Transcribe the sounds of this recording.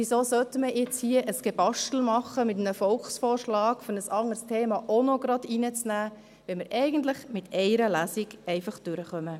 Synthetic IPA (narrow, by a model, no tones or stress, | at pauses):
ʋisoːsœtəməjɛt͡shiəʔəsɡ̥ebɑʃtl̩mɑχəmɪt̬mnəfɔlksfɔːɾʃlɑːɡfɔnəsɑŋəɾstʰeːmɑʔonoɡɾɑdinət͡snæː | ʋɛməɾɛɪɡən̩tləχmɪtɛɪɾəlæːsiɡɛɪfɑχd̥ʉɾəχœmə